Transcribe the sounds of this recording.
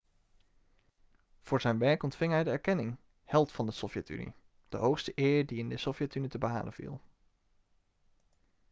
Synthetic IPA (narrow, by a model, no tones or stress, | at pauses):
v̥ʊːɹzɛjnʋɛɹkɔntfɪŋɦɛjdəɛɹkɛnɪŋ | hɛlˠtfɑndəsɔfjɛty̰nḭ | d̥əɦowχstəʔɪːɹdiɪndəsɔfjɛtynitəbəɦa̰ːlʔə̰v̥ḭlˠ